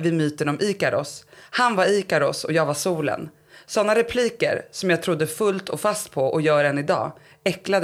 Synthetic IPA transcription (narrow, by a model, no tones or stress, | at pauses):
vɪmyːt̪ənɔmʔiːkaɾɔ̰shanvaɾiːkaɾɔsɔjɑːɡvasuːlə̰n | sɔnːaɾɛpʰliːkə̰ɾsɔmjaːɡ̚t̪ʰɾʊd̪ːəfɵlt̪ʰɔfast̪̚pʰɔʔɔjœːɾɛnɪd̪ɑ̰ː | ɛklad̪